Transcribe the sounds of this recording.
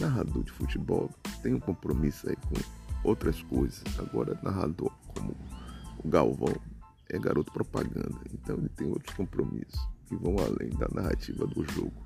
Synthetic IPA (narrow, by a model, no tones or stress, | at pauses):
naɦad̪oɾd͡ʒɪfut͡ʃibɔwt̪ẽj̃ũkõpɾomisʊaikõowt̪ɾɐskojzɐsaɡɔɾɐnʔaɦad̪oɾkʰõmʊʊɡawvɐ̃w̃ | ɛɡaɾot̪ʊ̥pɾopaɡɐ̃nd̪ɐẽnt̪ɐ̃w̃elɪt̪ẽj̃o̰wt̪ɾʊ̥skõpɾomisʊ̥skɪvɐ̃w̃alẽj̃d̪ɐnʔaɦat͡ʃivɐd̪ʊʒoɡʊ